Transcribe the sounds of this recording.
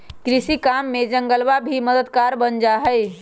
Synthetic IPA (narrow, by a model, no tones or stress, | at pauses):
kɾisikamːed͡ʒəŋɡəlbabʱiməd̪əd̪kaɾbənd͡ʒaɦəɪ